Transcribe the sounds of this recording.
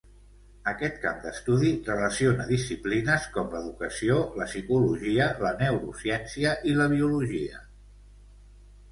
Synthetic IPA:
əkɛt̪̚ka̰md̪əst̪uðirələsionəðisiplinəskɔmləðukəsioləsikuluʒiələnəwɾṵsjɛnsiəʔiləβ̞iuluʒiə̰

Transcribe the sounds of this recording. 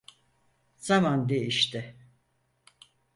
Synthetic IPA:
z̥amand̪iiʃt̪ɪ

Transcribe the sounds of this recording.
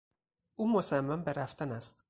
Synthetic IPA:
ʔuːmosæmːæmbe̞ɾæft̪ænæst̪

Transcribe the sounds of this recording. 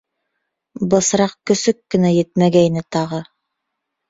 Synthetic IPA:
bɤ̆sɾɑq̚kɵ̆sɵkːɘ̆næjɘt̪̚mæɡæjnɘt̪ɑʁɤ

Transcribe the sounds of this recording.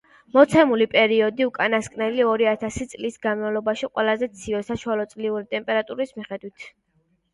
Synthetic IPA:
mɔt̪sʰɛmulipʼɛɾiɔd̪iukʼanaskʼnɛliɔɾiat̪ʰasit̪sʼlisɡanmavlˠɔbaʃiqʼwɛlˠazɛt̪sʰiɛsaʃualˠɔt̪sʼliuɾit̪ʼɛmpʼɛɾat̪ʼuɾismiχɛd̪wit̪ʰ

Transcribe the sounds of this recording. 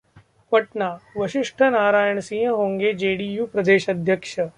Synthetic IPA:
pəʈnaːʋəɕiʂʈʰənaːɾaːjəɳsĩɦə̃ɦõːŋɡed͡ʒeːɽiːjuːpɾɐd̪eːʃɐd̪ʱjəkʂə

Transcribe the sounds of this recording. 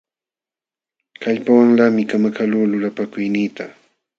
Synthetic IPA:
kaʎpawaŋlamɪkamakaluːlʊlapakʊjniːt̪a

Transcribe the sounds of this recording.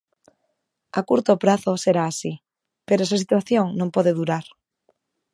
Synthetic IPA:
a̰kuɾt̪opɾaθoseɾaːsi | peɾoes̬as̬it̪waθjoŋnõmpɔðeðuɾaɾ

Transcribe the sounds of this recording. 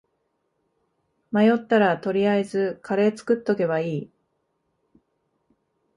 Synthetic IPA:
majo̞t̪ːaɾat̪o̞ɾʲiaezɨkʰaɾe̞ːt͡sɨ̥kɯ̟t̪ːo̞ke̞βaiː

